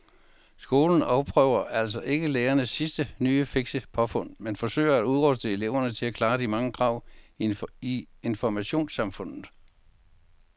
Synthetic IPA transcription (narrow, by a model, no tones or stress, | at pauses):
sɡ̥o̝ːln̩ɒʊpʰʁœ̰ʊɐʔæl̰sɒ̽ʔe̝ɡ̥əleːɐnəsːisd̥ənyːəfeɡ̥səpʰɒ̽fɔ̽n̰menfɒ̽sø̰ːɪɐæduðˠʁœsd̥əe̝le̝ʊ̰ɐnət͡sʰe̝lækʰlɑ̈ːd̥imɑ̈ŋəkʰʁɑ̈ʊ̰ | i | e̝nfɒmæɕo̝̰ːnsɑ̈mfɔ̽n̰ð̩ˠ